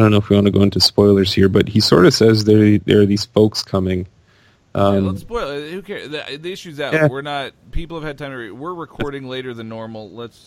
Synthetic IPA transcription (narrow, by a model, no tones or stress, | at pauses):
dõʊ̃noʊfwiwɑ̃ñɨɡoʊɪ̃ntʰɨspɔɪlˠə˞z̥hiɹbʌt̚hisɔ̰ɹɾʌv̥sɛzðə˞ðə̰˞ðiz̥foʊkskʰʌmɪ̃ŋ | ʔʌ̃mspɔɪlˠhʉkʰɛɹððiɪʃʉzɨtjæwɪɹnət̚pʰipl̩ˠəv̥ɨd̚tʰãɪ̃mɹwɪɹɹɨkʰɔɹɾɪ̃ŋleɪɾə˞ðɨnɔɹml̩ˠləts